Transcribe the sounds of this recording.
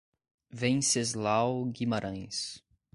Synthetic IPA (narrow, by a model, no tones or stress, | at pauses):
vẽj̃sezlawɡimaɾʔɐ̃j̃s